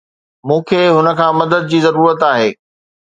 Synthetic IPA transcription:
mũːkʰeːɦʊnə̆kʰãːmɐd̪əd̪̚d͡ʑiːzɐɾuːɾət̪aːɦeː

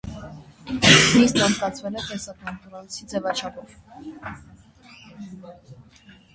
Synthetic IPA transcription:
mist̪nɑnt͡skɑt͡sʰvɛlɛt̪ɛsɑkɑnt̪ɔɾɑnt͡sʰid͡zɛvɑt͡ʃʰɑpʰɔv̥

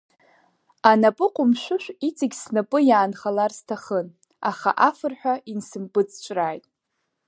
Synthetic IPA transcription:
anapʼɨqʷʼʊmʃʷʊʃʷᶣit͡sʼɪɡʲsnapʼɨjaːnχalarstʰaχən | aχa̰ʔafɨrħʷᶣainsɨmpʼɨt͡sʼt͡ʃʷʼraːjtʼ

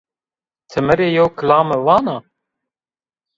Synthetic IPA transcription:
t̪ʰɨmɛɾeːjɛwkʰlaːməvɑːnaː

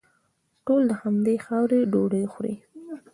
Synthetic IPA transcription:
ʈold̪əhamd̪exɑwɾeɖoɽexɾḭ

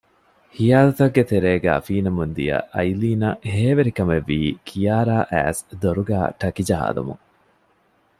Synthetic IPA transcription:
hijaːlɐt̪ɐɡːet̪eɾeːɡæ̰ːfiːnɐmund̪ḭjɐ̰ʔɐjliːnɐɦeːʋeɾikɐmeʋːiːkʰijaːɾaːʔæ̰ːsd̪oɾuɡæ̰ːʈɐkid͡ʒɐɦa̰ːd̪ɐ̰mṵŋ

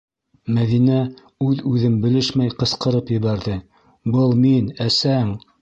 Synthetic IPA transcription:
mæðinæ | ʉðʉðɘmbɘ̆lɘʃmæjqɤ̆sqɤ̆ɾɤpjɘ̆βæɾðɘ | bɤlˠminæsæŋ

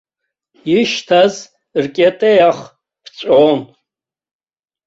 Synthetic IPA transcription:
iʃtʰaz | rkʲʼetʼejaχ | pʰt͡ɕʷʼon

